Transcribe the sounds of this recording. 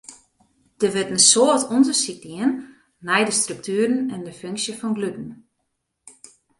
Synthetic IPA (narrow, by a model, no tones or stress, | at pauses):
d̥əʋɪtənsoətʰundəsik̚diənː | ɛjdəstryk̚tyːəɾn̩ɛndəføŋksjəfɔnɡlydn̩